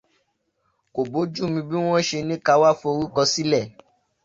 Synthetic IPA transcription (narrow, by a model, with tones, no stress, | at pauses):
ko˨bo˨˦d͡ʒu˦˨mĩ˧bi˦w̃ɔ̃˦ʃe˧nĩ˦ka˧˦wa˦fo˧ɾu˦kɔ˧si˦lɛ˦˨